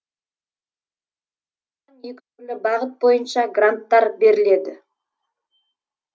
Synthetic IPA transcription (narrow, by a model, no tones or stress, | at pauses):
ɑnjek̪ʲkʲɪnɪbɑʁət̪̚bo̞jənʃɑɡrant̪ːɑɾbe̞ɾɪle̞d̪ɪ̰